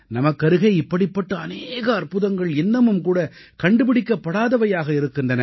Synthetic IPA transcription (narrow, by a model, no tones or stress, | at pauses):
nɐmɐkːɐɾɯɣɐɪɪpːɐɽɪpːɐʈːɐɐneːɣɐːrpɯðɐŋɡɐɭɪnːɐmɯmkuːɽɐ | kɐɳɖɯpɪɽɪkːɐpːɐɽaːðɐʋɐjaːɣɐɪɾɯkːɯndɐnɐ